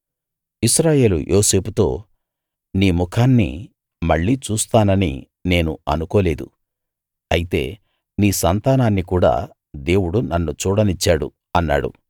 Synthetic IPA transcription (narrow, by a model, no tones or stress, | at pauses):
isɾaːje̞ːlṵjʔo̞ːse̞ːput̪o̞ː | niːmukʰaːnːḭ | mɐɭːiːt͡ʃuːst̪aːnɐnḭ | ne̞ːnṵɐ̰nukoːle̞ːd̪ṵ | ɐjit̪e̞̰ː | niːsɐnt̪aːnaːnːikuːɽa̰ː | d̪e̞ːwuɽunɐnːut͡ʃuːɽɐnit͡ʃːaːɽṵ | ɐnːa̰ːɽṵ